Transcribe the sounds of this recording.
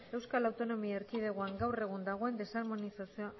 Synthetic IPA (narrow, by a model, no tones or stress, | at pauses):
e̞wskalawt̪o̞no̞miaeɾkið̞e̞ɣoaŋɡawre̞ɣ̞und̪aɣ̞o̞e̞nd̪e̞saɾmo̞nisasioa